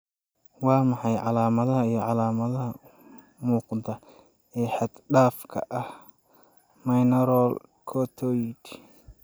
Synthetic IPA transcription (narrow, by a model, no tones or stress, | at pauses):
wɑːmɑħɑjʕɑlaːmɐðɐɦɐijɞʕɑlaːmɐðɐɦɐ | muːqɑnt̪ʰɐ | ɛːħɛd̪̥ɖaːfkʰɐ̰ʔɐh | mɐjnɐɾɔl | kʰɔt̪ʰɔd̪